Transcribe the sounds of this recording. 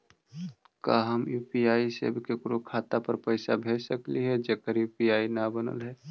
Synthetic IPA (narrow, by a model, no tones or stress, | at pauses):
kaɦəmjuːpiaːisḛbʱkekɾokʰaːt̪apəɾpəɪsabʱeːd͡ʒsəkliɦɛd͡ʒeːkəɾjuːpijaːinabənə̰lɦɛː